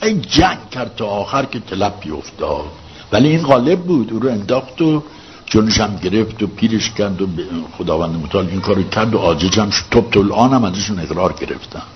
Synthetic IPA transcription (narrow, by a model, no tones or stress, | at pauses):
ʔejd͡ʒæŋɡkʲʰæɾd̪̚t̪ʰɒːxæɾkʰet̪ʰelæbʰːijo̰ft̪ɒːd̪̥ | væliiːnɣɒːle̞b̚ːuːd̪uːɾoe̞nd̪ɒːxt̪o | d͡ʒoneʃæmɟe̞ɾe̞ft̪opʰiːɾeʃcʰæɾd̪obexod̪ɒːvænd̪emot̪ʰæɒːliŋkʰɒːɾocʰæɾd̪oʔɒːd͡ʒeʃæmʃt̪ʰob̚t̪ʰolʔɒːnæmæzæʃune̞ɣɾɒːɾɟe̞ɾḛft̪ʰæn